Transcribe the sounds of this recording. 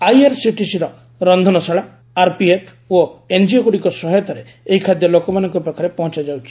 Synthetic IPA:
ajaɾsiʈisiɾɔ | ɾɔnd̪ʱɔnɔsaɭa | aɾpiepʰ | oend͡ʒiokuɽikɔsɔɦɔt̪ɔɾe | eɦikʰad̪jɔlokɔmanɔŋkɔpekʰaɾepɔɦɔ̃t͡ʃad͡ʒawt͡ʃʰi̥

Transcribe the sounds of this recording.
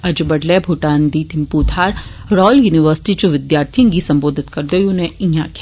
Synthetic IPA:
ɐd͡ʒbɐɖlɛbʱuʈaːnd̪iːt̪ʰɪmpuːt̪ʰaːɾ | ɾɔːljuːnɪʋəɾsɪ̥ʈit͡ʃuʋɪd̪jaːɾt̪ʰij̃ŋɡisɐ̃mboːd̪ʱɪt̪kɐɾd̪oːjunẽĩaːkʰ

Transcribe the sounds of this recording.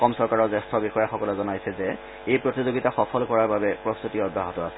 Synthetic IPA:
kɔmsɔɹkaɹɔzɛstʰɔbixɔjaxɔkɔlɛzɔnajsɛzɛ | ejpɹotizoɡitaxɔpʰɔlkɔɹaɹbabɛpɹɔst̪utiɔdʱaɦɔtɔasɛ̥

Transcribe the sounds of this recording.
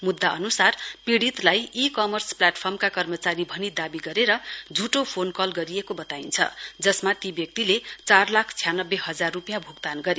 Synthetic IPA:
mud̪ːaʌnusarpiɽit̪lajikʌmʌrsplaʈpʰʌrmkakʌrmʌt͡saɾibʱʌnid̪abiɡʌɾeɾʌd͡zʱuʈopʰonkʌlɡʌɾiekobʌt̪aint͡sʰʌ̰d͡zʌsmat̪ibjʌk̚t̪ilet͡sarlakʰt͡sʰijanʌbːeɦʌd͡zarːupijãbʱuɡt̪anɡʌɾi

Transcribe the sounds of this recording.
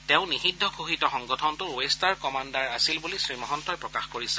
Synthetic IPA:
tẽʊ̃nixidʱːɔɡʰʱuɦitɔxɔŋɡɔtʰɔntʊɹoestaɹkɔmandaɹasilbulisɹimɔɦɔntɔjpɹɔkaxkoɹisɛ̥

